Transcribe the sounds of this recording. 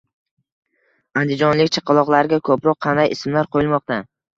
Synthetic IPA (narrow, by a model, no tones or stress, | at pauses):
and̪ɪd͡ʒɒnlɪkʲt͡ʃʰɑ̥qʰɑlˠɒqlˠaɾɪɡʲakʰɵpɾɒqʰːɑnd̪ajɪsɪmlaɾqʰojɪlˠmɒq̚t̪a